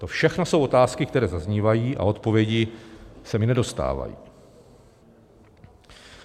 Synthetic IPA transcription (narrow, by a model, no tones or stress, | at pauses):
t̪o̞fʃɛxnoso̞wo̞t̪aːskɪkt̪ɛɾɛːzazɲivajiːʔa̰o̞t̪po̞vjɛɟɪsɛmɪnɛdo̞st̪a̰ːva̰jḭː